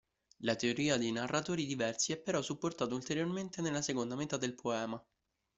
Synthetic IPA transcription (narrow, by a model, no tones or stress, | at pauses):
lat̪eoɾiːad̪ejnarːat̪oːɾid̪ivɛrsiɛpːeɾɔsːupːort̪aːt̪oult̪eɾjorment̪enelːasekond̪amet̪ad̪elpʰoɛːma